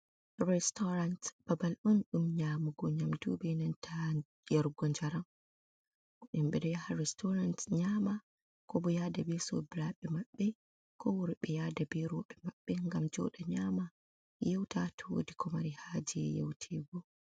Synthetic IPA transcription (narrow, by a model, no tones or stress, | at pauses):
rɛstɔɾantb̥abalʔunɗumɲaːmuɡɔɲamdubɛnantʰa | jaɾɡɔnd͡ʒaɾam | ʔɔɗɛmɓɛdɔjahaɾɛstʰɔɾantɲaːma | kɔbɔjaːdabɛsɔ̰biɾaɓɛmaɓːɛ | kɔwuɾiɓɛjaːdabɛɾɔɓɛmaɓːɛŋɡamd͡ʒɔ̰ɗaɲaːma | jewtatʰwo̰dikʰɔmaɾihad͡ʒiɛ̰jḛwtʰɛːɡɔ